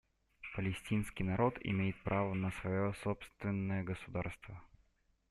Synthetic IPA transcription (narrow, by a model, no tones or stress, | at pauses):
pəlʲɪsʲtʲinskʲɪjnɐɾo̞t̪ɪ̰mʲejɪt̪̚pɾʔavənəsvɐjosopst̪vʲɪnːəjəɡəsʊd̪arst̪və